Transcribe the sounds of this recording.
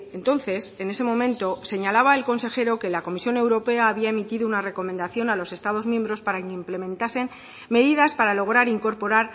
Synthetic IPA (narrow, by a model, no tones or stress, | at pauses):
ent̪o̞nθe̞se̞ne̞se̞mõ̞mẽ̞nt̪o̞se̞ɲalaβae̞lko̞nse̞xe̞ɾo̞ke̞lako̞misjone̞wɾo̞pe̞aːβiae̞mit̪iðounare̞ko̞mend̪aθjo̞nalo̞se̞st̪að̞o̞zmje̞mbɾo̞spaɾakimple̞mẽ̞nt̪ase̞n | me̞ðiðaspaɾalo̞ɣ̞ɾaɾiŋko̞ɾpo̞ɾaɾ